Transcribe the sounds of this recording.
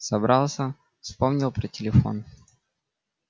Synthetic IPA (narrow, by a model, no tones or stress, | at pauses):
sɐbɾɑlˠsʲə | fspomnʲɪlˠpɾətʲɪlʲɪfo̞̰n